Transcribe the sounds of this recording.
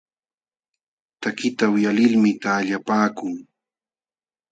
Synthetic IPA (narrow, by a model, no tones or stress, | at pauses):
t̪akɪt̪awʊjalɪlmɪt̪aːʎapaːkʊŋ